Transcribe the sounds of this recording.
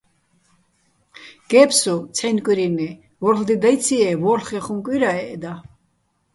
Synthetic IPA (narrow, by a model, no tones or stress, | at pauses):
ɡ̥ɛpsut͡sʰħɛnkʼiɾini | vɔɾχd̪id̪ajt͡sʰiɛvɔɾlχɛχumkʼwiɾaɛʔːd̪a